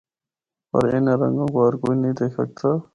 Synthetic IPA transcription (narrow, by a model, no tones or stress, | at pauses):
pɐ̰ɾɪneɾɐ̰̃ŋɡõːkoɦɐɾkoːinɐɦĩd̪eːkʰsɐ̰k̚t̪ʰaː